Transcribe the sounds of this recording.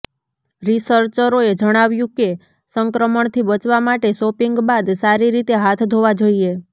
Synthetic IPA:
ɾisəɾt͡ʃəɾoed͡ʒəɽ̃aʋjũke | səŋkɾəməɳt̪ʰibət͡ʃʋamaʈesopiŋɡbad̪saɾiɾit̪eɦat̪ʰd̪ʱoʋad͡ʒoie

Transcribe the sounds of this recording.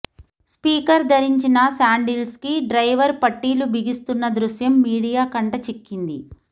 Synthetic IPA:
spiːkɐɾd̪ʱɐɾiɲt͡ʃinɐsaːɳɖilskiɖɾɐjʋɐɾpɐʈːiːlubiɡist̪unːɐd̪ɾuʃjɐmːiːɽijaːkɐɳʈɐt͡ʃikːind̪ḭ

